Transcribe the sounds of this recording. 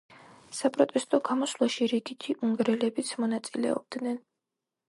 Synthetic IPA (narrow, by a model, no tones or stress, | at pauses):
sapʼɾɔt̪ʼɛst̪ʼɔɡamɔslˠaʃiɾiɡit̪ʰiʔuŋɡɾɛlɛbit̪sʰmɔnat̪sʼilɛ̰ɔ̰b̥̚d̪nɛn